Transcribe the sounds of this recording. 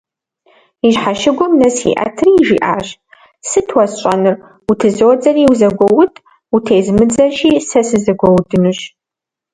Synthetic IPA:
iɕħaʃɪɡʷɔmnɐsḭʔɐ̰tʰriːʒḭːʔa̰ːɕ | sɨtʰwɐsɕʼɐnɨr | utʰɨzoːd͡zʼɐriːwuzɐɡʷɔwʊtʰʼ | utʰeːzmɨd͡zɐʒiːsɐsɨzɐɡʷɔwdɨnuɕ

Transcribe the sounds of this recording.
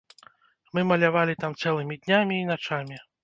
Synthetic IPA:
mɨmɐlʲavalʲit̪amt̪sɛlˠɨmʲid̪ʲnʲamʲiːnat͡ʂamʲi

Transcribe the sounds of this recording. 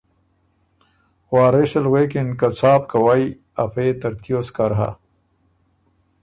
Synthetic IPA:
xwaːɾesɐlweːkinkɐt͡sʰaːpkɐwaj | ɐpʰeːt̪ɐɾt̪ijoskɐɾɦa̰

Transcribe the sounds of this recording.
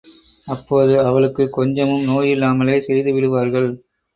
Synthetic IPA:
ɐpːoːðɯɐʋɐɭɯkːɯkːɔɲd͡ʒɐmɯmnoːjɪlːaːmɐleːsɛɾɪðɯʋɪɽɯʋaːɾɣɐɭ

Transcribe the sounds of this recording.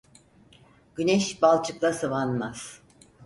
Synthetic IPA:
ɟ̥ynɛʃbalˠt͡ʃʰɯklˠasɯvanmaz̥

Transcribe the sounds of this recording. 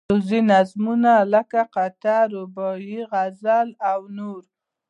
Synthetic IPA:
ʊzinazmunaləkaqat̪aɾobɔjiɣazalawnoɾ

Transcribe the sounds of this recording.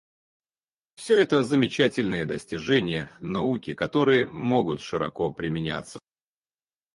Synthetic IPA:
fsʲɵɛt̪əzəmʲɪt͡ɕætʲɪlʲnɨjəd̪əsʲtʲɪʐɛnʲɪjənɐukʲɪkɐt̪o̞ɾɨjəmo̞ɡʊt̪ʂɨɾɐ̰ko̞pɾʲɪmʲɪnʲa̰t̪sːə̥

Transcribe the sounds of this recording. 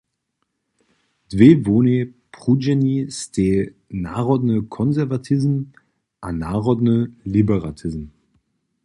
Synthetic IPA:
d̥vevoːnepʁ̥ud͡ʒɛnistʰeː | naʁɔdnəkʰɔnzɛɐvatʰizm̩ | ʔanaːʁɔdnəlibəʁatʰɪzm̩

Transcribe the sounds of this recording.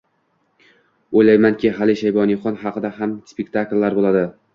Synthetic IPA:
ojlajmankʲʰɪɦalɪʃajbɒnɪχɒnhɑqɨd̪aɦamspʲek̚ʲt̪ʰaklːaɾbolˠad̪ɪ

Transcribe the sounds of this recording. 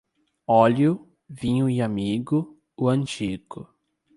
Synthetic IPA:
ɔljʊ | vĩɲʊiamiɡʊ | ʊɐ̃nt͡ʃiɡʊ

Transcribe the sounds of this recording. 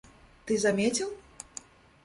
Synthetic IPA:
t̪ɨzamʲet͡sʲilˠ

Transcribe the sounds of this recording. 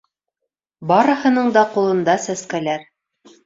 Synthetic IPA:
bɑɾɤ̆hɤ̆nɤɴd̪ɑqulˠɤ̆nd̪ɑsæskælæɾ

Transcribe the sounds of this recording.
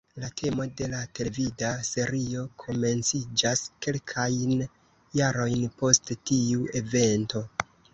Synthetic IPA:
latʰe̞mo̞de̞late̞levidase̞ɾio̞kʰo̞me̞nt͡sid͡ʒaske̞lkʰajn | jaɾo̞jnpo̞sttiue̞ve̞nto̞

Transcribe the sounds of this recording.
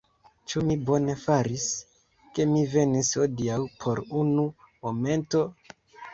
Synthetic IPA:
t͡ʃumibo̞ne̞faɾis | ke̞mive̞nishodiawpʰo̞ɾunu | mo̞me̞nto̞

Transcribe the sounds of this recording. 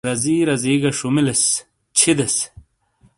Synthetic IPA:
ɾɐziːɾɐziːɡɐʂumiles | t͡ɕʰid̪es

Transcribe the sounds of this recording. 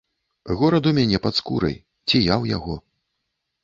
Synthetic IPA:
ɣɔɾɐd̪umʲanʲɛpat̪skuɾɐ̰j | t͡sʲijawjaɣɔ

